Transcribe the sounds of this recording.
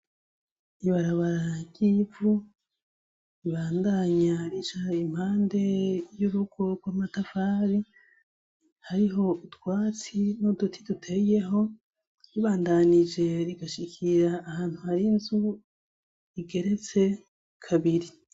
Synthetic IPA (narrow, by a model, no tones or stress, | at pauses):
iβaɾaβaɾaɟ̥ivu | iβaːndaɲaɾit͡ʃaim̥haːnde̞juɾuɡ̥o̞ɡwaːmatafaːβi | haɾiɦo̞utwaːt͡sinudutʰi̥dutʰe̞je̞ɦo̞ | ɾiβaːndanid͡ʒe̞ɾiɡaʃikʰiɾaːhaːn̥huhaɾinzu | iɡe̞ɾe̞t͡se̞ | kʰaβiɾi